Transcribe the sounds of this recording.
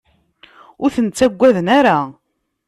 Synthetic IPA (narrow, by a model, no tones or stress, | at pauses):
ʊɾθənt͡sːæɡʷːæðənæɾa